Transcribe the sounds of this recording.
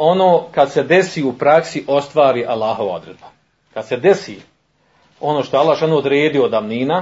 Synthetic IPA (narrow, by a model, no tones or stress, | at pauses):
o̞noːkad̪se̞d̪e̞siupɾaksiʔo̞st̪ʋaːɾiːʔalːaːɦooa̰d̪ɾebḁ | kad̪sed̪esiː | o̞noːʃt̪oalːahʃanood̪ɾeːd̪ioːd̪amniːna